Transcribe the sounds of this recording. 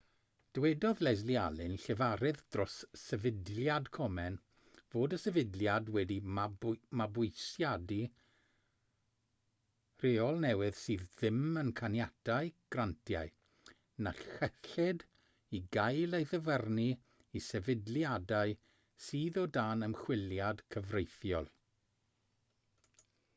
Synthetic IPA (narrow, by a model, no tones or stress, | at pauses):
d̥wɛdɔðlɛzlia̰lˠɪnɬɛvaɾɨðd̥rɔsːɛvɪdljadkʰɔmɛn | v̥oːdəsɛvɪdljadwɛdimamabʊjsjadi | r̥eɔlˠnɛwɨð̥sɨːððɪmənkʰanjatʰaɨɡ̥rantʰja̰ɨ | naɬɛɬɪd | iɡajlˠejðəvərni | isɛvɪdljadaɨ | siːðɔdaːnəmχwɪljad̥kʰəvrejθjɔ̰lˠ